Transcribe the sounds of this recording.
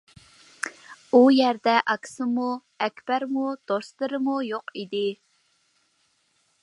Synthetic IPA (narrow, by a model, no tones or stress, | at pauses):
ujɛɾd̪ɛʔɑkʰʲsɨmu | ɛkʲb̥æɾmud̪̥oslˠɨɾɨmujoqid̪ɪ